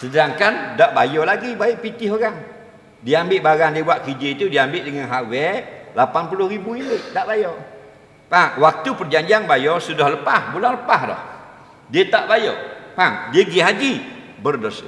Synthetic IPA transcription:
sədaŋkandaʔbajɔlaɡibaiʔpit̪ɪɦoɾaŋ | diambɪʔbaɾaŋdiəbuaʔkid͡ʒeit̪udiambɪʔdəŋanɦawɛlapanpulʊhɾibuilɪt̪̚t̪aʔbajɔ | pawak̚t̪upərd͡ʒaɲd͡ʒianbajɔsudahləpahbulaŋləpahdɔ̰h | diət̪aʔbajɔ̰paŋdiəɡiɦad͡ʒi | bərdos

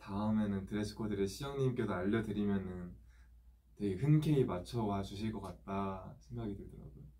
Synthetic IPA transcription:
taɯme̞nɯntɯɾesʰɯ̥kʰodɯɾe̞ɕʰid͡ʑʌŋɲimk͈jodoaʎːʌdɯɾimjʌnɯn | twe̞ɡehɯnkʰeimat͡ɕʰʌwad͡ʑuɕʰiɭk͈ʌk͈at̚t͈asʰe̞ŋɡaɡidɯɭdʌɾa̰ɡujo

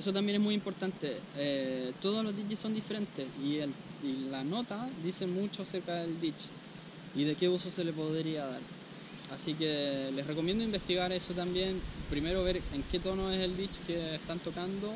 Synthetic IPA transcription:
esot̪̬ambje̞nesmujimpo̞ɾt̪ant̪eet̪o̞ð̞olo̞zðit͡ʃeso̞nd̪ife̞ɾe̞nt̪esielilano̞t̪aðise̞mut͡ʃoase̞ɾkaðe̞ld̪it͡ʃ | iðe̞keusose̞lep̬o̞ðɾiaða̰ɾ | asikele̞srekomje̞nd̪oimbe̞st̪iɣaɾe̞sot̪̬ambje̞npɾime̞ɾo̞βe̞ɾeŋke̞t̪o̞no̞ese̞ld̪it͡ʃkeːst̪ant̪o̞kand̪o

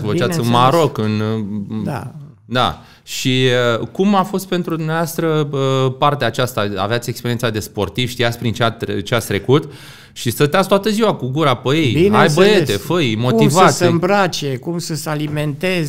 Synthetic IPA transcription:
əvət͡ʃat̪sʲɨnmaɾo̞kɨn | a̰ | d̪a̰ | ʃikumafo̞st̪̚pe̞nt̪ɾud̪umneavoast̪ɾəəpart̪eaːt͡ʃast̪aa̰veat̪sʲie̞kspeɾiensad̪e̞spo̞rt̪iv̥ʃt̪ijat̪sʲpɾint͡ʃeat̪t͡ʃeast̪ɾe̞kut̪ | ʃist̪ət̪eat̪sʲt̪oat̪əziwakuɡuɾapəjejinajbəe̞t̪e̞fəmo̞kt̪ivatsəmbɾat͡ʃekumsəsaliment̪ez

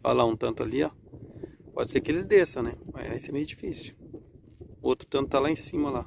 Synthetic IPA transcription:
fa̰laũt̪ɐ̃nt̪ʊaliɔ | pɔd͡ʒɪseɾkɪelɪzd̪esɐ̃w̃nɛa̰aisɛmejʊd͡ʒifisjʊ̥ | owt̪ɾʊ̥t̪ɐ̃nt̪ʊt̪alaẽsĩmɐla

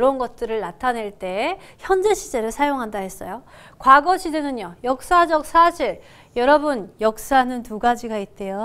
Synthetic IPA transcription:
ɾʌnɡʌt̚t͈ɯɾɯɭnatʰane̞ɭt͈e̞ | çjʌnd͡ʑe̞ɕʰid͡ʑe̞ɾɯɭsʰajoŋɦandahe̞s͈ʌjo | kwaɡʌɕʰidenɯnjʌjʌk̚s͈ad͡ʑʌk̚s͈ʰaɕʰiɾ | jʌɾʌbunjʌk̚s͈aɦanɯntuɡad͡ʑiɡait̚t͈e̞jo

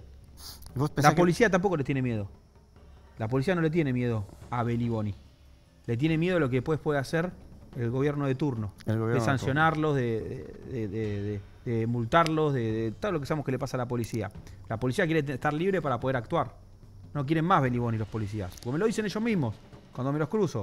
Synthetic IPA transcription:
oslappo̞lisiat̪ampo̞kolet̪jenemje̞ð̞o̞ | lap̬olisiano̞let̪jene̞mje̞ð̞o̞aβe̞liβo̞ni | let̪̬je̞ne̞mje̞ðoalo̞keðehpwe̞spweðeaseɾelɣo̞βjeɾnoðe̞t̪uɾno̞ljðesansjo̞naɾlo̞zðeðḛðeðeðe | ðemult̪aɾlo̞zðeðet̪oðolokesaemokelepasalapo̞lisia̰lapo̞lisiakjeɾeeht̪aɾliβɾe̞paɾapo̞ð̞eɾakt̪waɾ | no̞k̬jeɾe̞mmazβe̞liβo̞nilopo̞lis̬ia̰spoɾkemeloðise̞neʒo̞zmĩɦmo̞s | kwand̪o̞melo̞hkɾuso

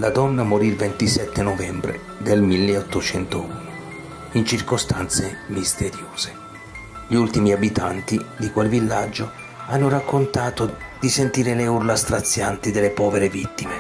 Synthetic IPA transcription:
lad̪ɔnːamoɾilvent̪isɛt̪ːenovɛmbɾḛ | d̪elmilːeɔt̪ːot͡ʃɛnt̪ouno | int͡ʃirkost̪ant̪semist̪eɾjoːz̥e̥ | ʎiult̪imiabit̪ʰant̪id̪ikwelvilːad͡ʒːo | anːʊrakʰːʊnt̪aːt̪ʊd̪isent̪iːɾeleurlast̪ɾat̪sːjant̪id̪elːepɔːveɾevit̪ːime

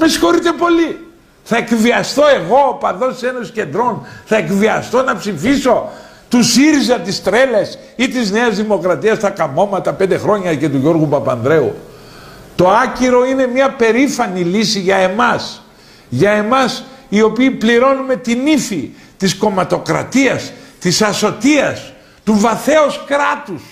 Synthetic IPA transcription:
mesi̥xo̞ɾit̪e̞po̞li | θɐe̞kviɐst̪o̞e̞ɣo̞pɐnðo̞se̞nosce̞nd̪ɾo̞nθɐe̞kviɐst̪o̞nɐpsifiso̞ | t̪usiɾizɐt̪ist̪ɾe̞les | it̪izne̞ɐzðimo̞kɾɐt̪iɐst̪ɐkɐmo̞mɐt̪ɐpend̪e̞xɾo̞ɲɐce̞t̪uʝo̞ɾɣupɐpɐnðɾe̞ṵ | t̪o̞ɐciɾo̞ine̞mɲɐpe̞ɾifɐnilisiʝɐe̞mɐs | ʝɐe̞mɐsio̞piːpliɾo̞nume̞t̪inifi | t̪isko̞mɐt̪o̞kɾɐ̰t̪iɐst̪isɐso̞t̪iɐs | t̪uvɐθe̞oskɾɐt̪us

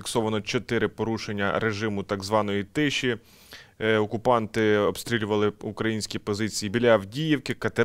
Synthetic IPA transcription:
iksɔʋɐnɔt͡ʃɔt̪ɪɾɪpɔɾuʃenʲːɐ̰ɾeʒɪmʊt̪ɑɡzʋɑnɔjit̪ɪʃʲi | ɔkʊpɑnt̪ɪɔbst̪ɾʲilʲʊʋɐlˠɪukɾɐjinʲsʲkʲipɔzɪt͡sʲijibʲilʲawdʲijiwkɪkɐt̪e

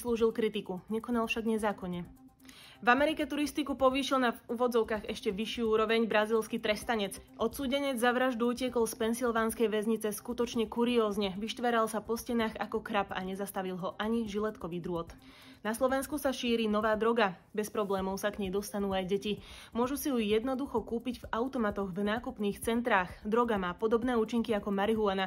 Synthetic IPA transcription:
sluːʒilkɾit̪ikuɲɛkɔnalfʃaɡɲɛzaːkɔɲɛ | vamɛɾikɛt̪uɾist̪ikupɔʋiːʃilnavuːʋɔd͡zɔʊkaːɣɛʃcɛʋiʃɪuuːɾɔʋɛɲbɾaziːlskit̪ɾɛst̪aɲɛd͡zʔɔt̪suːɟɛɲɛd͡zzaʋɾaʒd̪uuːcɪɛkɔlspɛnsilʋaːnskɛjʋɛzɲit͡sɛskut̪ɔt͡ʃɲɛkuɾiɔːzɲɛʋiʃt̪ʋɛɾalsapɔscɛnaːɣakɔkɾapaɲɛzast̪aʋilˠɦɔʔaɲiʒilɛt̪kɔʋid̪ɾʊɔt̪ | naslɔʋɛnskusaʃiːɾinɔʋaːd̪ɾɔɡa | bɛspɾɔblɛːmɔʊsaɡɲɛjd̪ɔst̪anuːajɟɛcimʊɔʒusiɦujɛd̪nɔd̪uxɔkuːpiɟvaʊt̪ɔmat̪ɔɣvnaːkupniːxt͡sɛnt̪ɾaːxd̪ɾɔɡamaːpɔd̪ɔbnɛːuːt͡ʃiŋkiakɔmaɾiɦuana

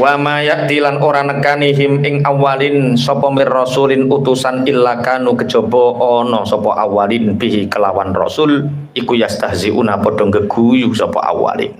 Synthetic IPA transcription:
wamajaʔd̪̥ilanoɾanəkaniɦɪmɪŋawalɪnsɔpɔmɪrrɔsulɪnut̪usanilːakanukəd̥ʒ̥ɔ̤b̥ɔʔɔnɔsɔpɔʔawalinpiɦikəlawa̰nrɔ̰sʊl | ʔikujasd̪̥aɦziʔṵnapɔɖ̥ɔŋɡəɡ̥ujusɔpɔ̰ʔa̰wa̰lḭn

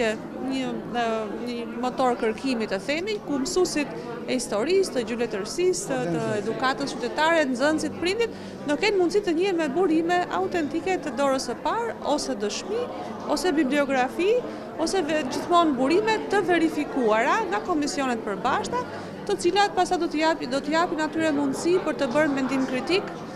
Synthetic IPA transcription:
ɛ | ɲə | ɲəmɔt̪ɔɾkəɾkimit̪əθɛmiɲkumsusit̪ | ɛist̪ɔɾist̪əd͡ʑylɛt̪əɾsist̪əɛd̪ukat̪əst͡ʃyt̪ɛt̪aɾɛt̪nzənsit̪pɾind̪it̪̚ | nəkɛnmund̪sit̪əɲiɛmɛbuɾimɛʔa̰ut̪ɛnt̪ikɛt̪əd̪ɔɾəsəpaɾɔsɛd̪əʃmi | ɔsɛbibliɔɡɾafi | ɔsɛvɛd͡ʑiθmɔnbuɾimɛt̪ːəvɛɾifikuaɾaŋɡakɔmisiɔnɛt̪̚pəɾbaʃt̪a | t̪ət͡silat̪̚past̪ad̪ad̪ɔt̪əjapinat̪yɾɛmund̪sipəɾt̪əbəɾmɛnd̪imkɾit̪ik

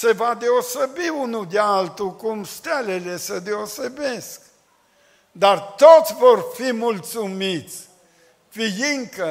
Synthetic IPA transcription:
se̞vad̪eosebiunud̪ealt̪ukumst̪alele̞səd̪eose̞be̞sk | d̪art̪ot̪sʲvorfimult̪sumit̪sʲ | fijiŋkə

